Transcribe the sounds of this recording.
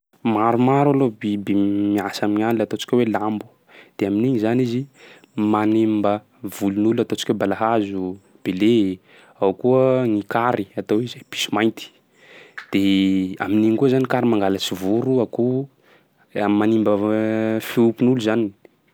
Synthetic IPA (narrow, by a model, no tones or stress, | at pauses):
maɾumaɾalobibemiasamiɲaniat̪ot͡ʃi̥kʲwelambu̥ | d̪̥eaminiɲizanizi | manembə | vulunulat̪ot͡ʃi̥kʲebalaɦazu | b̥ele | awkuənikaɾiat̪owizb̥i̥si̥majnt̪i̥ | d̪̥ea̰miniɲkuəzanikaɾimaŋɡalat͡sivuɾuaku | mːanimbəfiupunuluzani